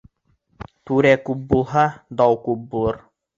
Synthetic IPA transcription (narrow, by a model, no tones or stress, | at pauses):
t̪uɾækup̚bulˠɦɑd̪ɑwkup̚bulˠɤɾ